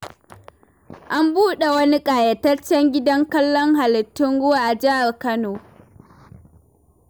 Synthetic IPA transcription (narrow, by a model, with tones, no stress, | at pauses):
ʔa˦mbuː˦ɗe˨wɐ˦ni˦kʼaː˨jɐ˨tɐ˦t͡ʃːɛ˦ŋɡʲɪ˦dɐ˦ŋkɐ˦lːɔ˦ŋha˨lɪ˨tːɪ˦ŋɽʊ˦waː˨ʔa˨d͡ʒɪ˦ʔa˨rkɐ˦noː˨